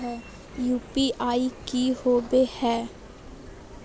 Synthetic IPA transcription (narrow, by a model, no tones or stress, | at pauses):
ɦɛː | juːpiʔaːikihoːbehɛː